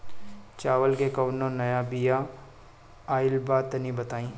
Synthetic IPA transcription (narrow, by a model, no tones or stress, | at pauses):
t͡ʃaːʋəlkekɐʋnõnɐjabija | aːɪlbaːt̪ɐnĩbɐt̪aːĩː